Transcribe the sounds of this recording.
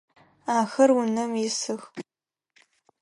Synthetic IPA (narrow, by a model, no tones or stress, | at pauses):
aːxɐrʊnɐmjɪsɨx